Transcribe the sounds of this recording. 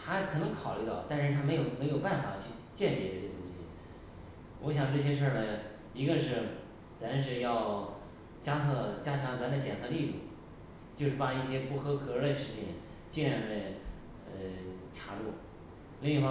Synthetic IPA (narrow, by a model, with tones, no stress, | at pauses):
t̪ʰa˥kʰɤ˨˩nɤ˧˥ŋkʰɑ˨˩ʊly˥˧t̪ɑ˥˩ʊt̪a˥˧nʂɻ̩˥˩t̪ʰa˥me˧˥jo˨˩ʊme˧˥ɪjo˨˩ʊpa˥˩nfa̰˨˩t͡ɕʰy˥˧ | t͡ɕjɛ˥˩np̪jɛ˧˥ʈ͡ʂɤ˥˩ɕjɛ˥t̪ʊ˥ŋɕḭ˨˩ | wʔɔ˧˥ɕ̬jɑ˨˩ŋʈ͡ʂɤ˥˩ɕ̬jɛ˥ʂə˥˩nə˩ | i˧˥ɡə˧ʂɻ̩˥˩ | t͡sa˧˥n˧ʂ̬ɻ̩˥˧jɑ˥˩ʊ | t͡ɕja˥t͡sʰɤ˥˧t͡ɕja˥t͡ɕʰjɑ˧˥ŋt͡sa˧˥˧t͡ɕjɛ˨˩nt͡sʰɤ˥˧li˥˧t̪u˥˩ | t͡ɕjo˥˧ʊʂɻ̩˥˩pa˧˩i˥˩ɕjɛ˥pu˥˩xɤ˥kʰɤ˨˧˥ə˧˩ʂɻ̩i˧˥t͡ɕʰɛ˥˩n | t͡ɕi˥˧ɻa˥˩lə˥˧˩ | ə˧˩t͡ɕʰja˧˥lu˥˩ | li˥˧ŋ˧xwa˥˧